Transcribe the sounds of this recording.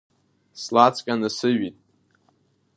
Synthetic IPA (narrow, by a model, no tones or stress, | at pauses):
slat͡sʰʼkʲʼanɨsɨɥitʼ